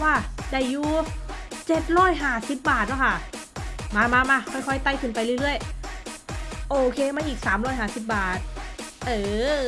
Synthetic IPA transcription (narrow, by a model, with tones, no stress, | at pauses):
waː˧˩da˧˩jːuː˧t͡ɕe˨˩t̪̚ɾɔː˥˩jɦaː˧˩si˨˧˦p̚baː˨˩t̪̚la˧˩kʰa˥˩ | maː˧maː˧maː˧˩kʰɔ˧˩jkʰɔ˧˩jt̪a˧˩jkʰɯ˧˩np̬a˧jɾɯː˥˩˨jɾɯ˥˩əj | ʔoː˧kʰeː˧maː˧˥˨ʔiː˨˩k̚saː˩˦mɾɔː˥˩jɦaː˧˥˩si˨˩p̬̚baː˨˩t̪̚ʔɤː˧˩